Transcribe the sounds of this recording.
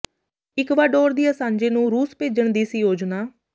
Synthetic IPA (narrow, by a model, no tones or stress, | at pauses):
ɪkʋaːɖoːɾd̪iːjaːsãːɲd͡ʒeːnũːɾuːspeːd͡ʒəɳd̪iːsiːjoːd͡ʒnaː